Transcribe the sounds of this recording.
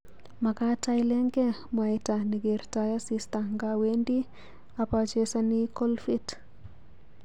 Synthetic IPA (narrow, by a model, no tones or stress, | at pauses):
makatajlɛŋɡɛmajtaniɡeɾtajasistaŋɡawendi | apat͡ʃesanikɔlfit